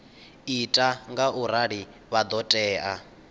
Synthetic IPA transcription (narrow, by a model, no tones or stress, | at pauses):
itʼaŋɡaʔuɾaɺi | βad̪ɔtʼɛːʔa